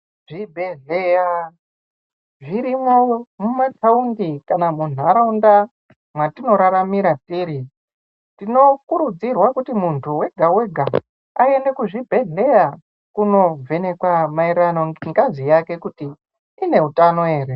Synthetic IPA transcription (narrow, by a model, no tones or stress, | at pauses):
ʐibʱe̞ɮeja | ʐiɾimomumataundikanamun̤aɾaunda | mwatino̞ɾaɾamiɾatiːɾi | tino̞kuɾud͡zirwakutimuntʰuwe̞ɡʱawe̞ɡʱa | ae̞ndekuʐibʱe̞ɮe̞ja | kuno̞vʱe̞ne̞kwamairanoŋɡazijake̞kutiː | ne̞utano̞e̞ːɾe̞